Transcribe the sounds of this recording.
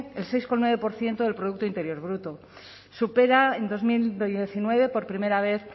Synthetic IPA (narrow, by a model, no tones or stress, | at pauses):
else̞jskonweβe̞po̞ɾθje̞nt̪oðe̞lpɾoðuk̚t̪oint̪e̞ɾjo̞ɾβ̞ɾut̪o | supe̞ɾae̞nd̪o̞zmild̪eθinwe̞β̞e̞po̞ɾpɾime̞ɾaβe̞θ